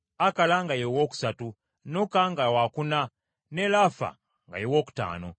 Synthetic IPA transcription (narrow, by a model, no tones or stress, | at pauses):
akalaŋɡajowoku̥satu | nɔkaŋɡawakuna | nɛlafa̰ | ŋɡa̰jowoku̥ta̰ːnɔ